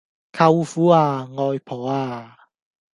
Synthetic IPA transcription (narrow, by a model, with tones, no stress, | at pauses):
kʰɐ˧wfuː˨˥aː˧ŋɔː˧jpʰɔː˨˩aː˧